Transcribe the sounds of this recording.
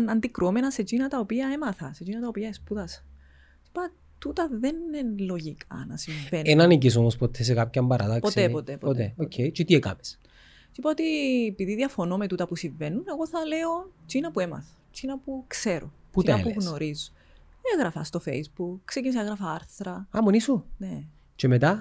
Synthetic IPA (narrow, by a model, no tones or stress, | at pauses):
ɐnd̪ikɾomenɐset͡ʃinɐt̪ɐopiɐe̞mɐθɐse̞t͡ʃinɐt̪ɐopiɐespuðɐs | sipɐ | t̪ut̪ɐðenenlo̞ʝikʰɐ̰nɐ̰siɱvenenɐnicis̬omospot̪ʰθes̬ekapçɐmbɐɾʔɐðɐkposepot̪epopot̪eoejt͡ʃet̪iekɐ̰mes | tipɐot̪iepiðiðiɐfo̞nomet̪ut̪ɐpusiɱve̞nune̞ɣo̞θɐleot͡ʃinɐpue̞mɐ̰θɐ̥ | t͡ʃinɐpukse̞ɾo̰putiɐɐepuɣno̞ɾizo̥ | eɣɾɐfɐst̪o̞fḛjzbukkːsecinis̬ɐeɣɾɐfɐɐɾθɾɐɐmonisone | t͡ʃemet̪ɐ